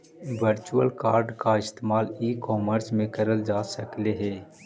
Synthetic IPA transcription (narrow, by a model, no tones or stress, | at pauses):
ʋəɾt͡ʃuəlkaːɾɖkaɪst̪eːmaːliːkɔːməɾsmẽkɐɾəld͡ʒaːsɐkleɦɛː